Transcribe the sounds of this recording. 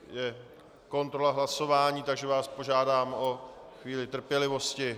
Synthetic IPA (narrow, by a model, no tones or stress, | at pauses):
jɛ | ko̞nt̪ɾo̞laɦlaso̞vaːɲiːt̪aɡʒɛvaːspo̞ʒaːdaːmo | xviːlɪt̪r̩pjɛlɪvo̞scɪ